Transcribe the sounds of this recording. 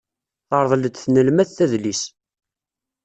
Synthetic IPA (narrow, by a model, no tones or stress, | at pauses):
θɑɾˤðˤld̪θnəlmæθθæðlis